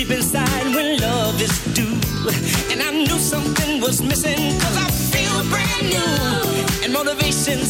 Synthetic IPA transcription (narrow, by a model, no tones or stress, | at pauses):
ipɨ̃nsaɪ̃dwɨ̃nlʌvɨzd̥ʉ | ɨ̃naɪnusʌ̃mθɪ̃ŋwʌzmɪsɪ̃ŋkʰʌzaɪfilˠəbɹænːu | ɨ̃nmɛnəveɪʃɨ̃n